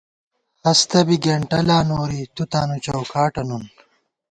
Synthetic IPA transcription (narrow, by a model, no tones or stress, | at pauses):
hɐst̪ɐbiɡeɳʈɐlaːnoːɾit̪ut̪aːnut͡ɕɐwkaːʈɐnun